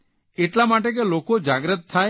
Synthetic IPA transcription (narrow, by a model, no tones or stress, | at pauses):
eʈlamaʈek̬elokod͡ʒaɡɾət̪ʰːa